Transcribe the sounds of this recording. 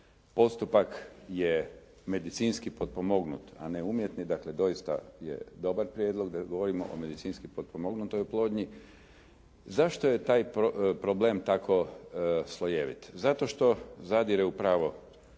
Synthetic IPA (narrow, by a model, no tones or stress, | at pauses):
po̞st̪upakje | me̞d̪it̪siːnskipod̪̚pomo̞ɡnṵt̪a̰neumjet̪nid̪akle̞d̪o̞jist̪a̰jḛd̪o̞baɾpɾʲjed̪lˠo̞ɡd̪aɡo̞ʋo̞ɾimo̰ʔo̰me̞d̪it̪siːnskipod̪̚pomo̞ɡnut̪ojuplˠo̞ːd̪ɲi | zaʃt̪oje̞t̪aːjpɾobleːmt̪akʰo̞slˠoje̞ʋḭt̪zat̪o̞ʃt̪o̞zad̪iɾeupɾaːʋo̞